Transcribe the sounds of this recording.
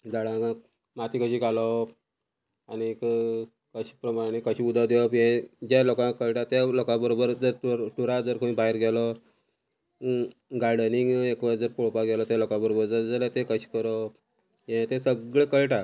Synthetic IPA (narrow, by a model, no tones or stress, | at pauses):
d͡zaɽãkã | mat̪ikəɕiːɡalɔ | añik | kəɕi̥pɾəmaɽ̃ekəɕiːud̪ʱad̪eɔpjɛ̃d͡ʑalokãkəɭʈat̪jalokãbəɾobəɾd͡zəɾt̪ɾʈuɾad͡zəɾkʰoʋĩbaɦiɾɡʱɛlɔ | ɡaɾɖəniŋɡekʋad͡zəɾpoɭpaɡɛlɔt̪jalokãbəɾobəɾd͡zəɾd͡zalat̪ekəɕi̥ːkəɾɔ | jɛ̃t̪ẽsəɡɭekəɭʈa